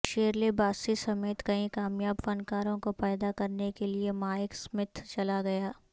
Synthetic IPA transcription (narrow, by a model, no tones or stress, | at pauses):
ʃeːɾlebaːsisɐmeːt̪kɐĩkaːmjaːbfɐnkaːɾõkopɛːd̪akɐɾnekeliemaːɪksmɪt̪ʰt͡ʃɐlaɡɐjaː